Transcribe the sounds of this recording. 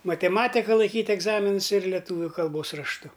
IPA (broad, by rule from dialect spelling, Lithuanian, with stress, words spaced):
mɐtʲɛˈmɑːtʲɪkɐ lˠɐɪˈkʲiːtʲ ɛɡˈzɑːmʲɪnʊs ɪr lʲɛˈtuːʋʲʊ kɐlˠˈboːs rɐʃˈtʊ